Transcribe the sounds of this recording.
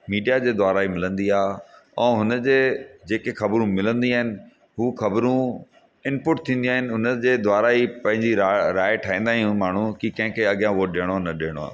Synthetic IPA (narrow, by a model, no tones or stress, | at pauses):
miːɖijad͡ʑeːd̪waːɾaːimɪlə̃nd̪iaːɦɛ̰̃ːɦʊnə̆d͡ʑeːd͡ʑeːkexɐbɾũmɪlə̃nd̪iaːɦɪnɪ̆ | ɦuːxɐbɾũ | ɪnpʊʈ̚t̪ʰĩːn̆d̪iaːɦɪnɪ̆ʊnəd͡ʑeːd̪waːɾaːipɐ̃ɦɪ̃ɲd͡ʑiɾaɾaːeʈʰaːĩːnd̪aːɦijũmaːɳ̤ũkikɐ̃ɦɪ̃kʰeɐɠjãʋoɗeːɽ̃onɐɗeːəɽ̃oa̰ː